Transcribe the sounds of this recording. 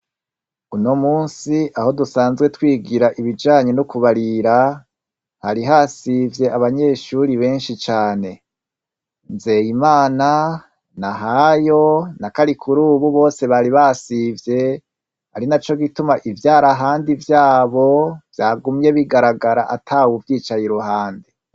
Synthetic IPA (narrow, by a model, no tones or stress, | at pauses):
unomuːnsiʔaho̞dusaːnzɡwetwiːɡiɾaʔiβid͡ʒaːɲe̞nukuβaɾiɾa | haɾiɦasivje̞ʔaβaɲe̞ːʃuɾiβe̞ːnʃit͡ʃaːne̞ | nze̞jimaːna | naɦajo̞nakaɾikʰuɾuːβuβo̞ːse̞βaɾiβaːsivje̞ | ha̰ɾinat͡ʃo̞ɡitumaʔivjaːɾaɦaːndivjaːβo̞vjaːɡumje̞βiɡaɾaɡaɾaʔa̰tʰaːwuvjiːt͡ʃajiɾuhaːnde